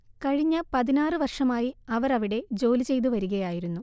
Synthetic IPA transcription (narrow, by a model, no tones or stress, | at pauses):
kɐɻiɲːɐpɐðinaːrɨʋɐrʂɐmaːjiɐʋɐɾɐʋiɽe̞d͡ʑo̞ːlit͡ɕe̞jt̪̬uʋɐɾuɣɐjaːjiɾunːu